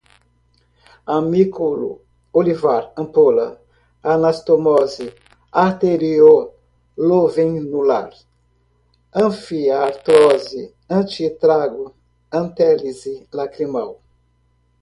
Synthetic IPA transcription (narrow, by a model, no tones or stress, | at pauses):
amikulṵ | olivaɾɐ̃polɐ | anast̪omɔzi | aɾt̪eɾio | lovẽnula̰ɾ | ɐ̃fiaɾt̪ɾɔzi | ɐ̃t͡ʃit̪ɾaɡu | ɐ̃nt̪ɛlizilakɾimaw